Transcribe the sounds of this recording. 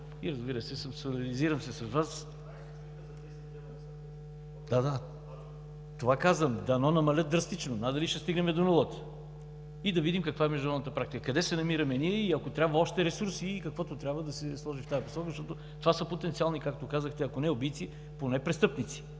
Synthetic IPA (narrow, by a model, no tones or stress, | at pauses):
iɾɐzbiɾəsɛsəmsolʲɛliziɾəmsɛsɐsvas | d̪ad̪a | t̪ovakazvəmd̪ɐnɔnɐmɐlʲət̪̚d̪ɾɐst̪it͡ʃnonad̪ɐliʃɛst̪iɡnɛmɛd̪onɛlˠɔt̪ | id̪ɐvid̪imkɐkvaɛmɛʒd̪unɾɔd̪nət̪əpɾak̚t̪ikəkɐd̪ɛsɛnɐmiɾɐmɛniɛiɐkot̪ɾʲabvəɔʃt̪ɛɾɛsuɾsiːkɐkvɔt̪ot̪ɾʲabvəd̪ɐsɛslˠɔʒift̪ajɐposɔkəzəʃt̪ɔt̪o | t̪ovasəpot̪ɛnt̪sialˠnikak̚t̪okazəxt̪ɛɐkonɛobit̪si | ponɛpɾɛst̪ɤpnit̪si̥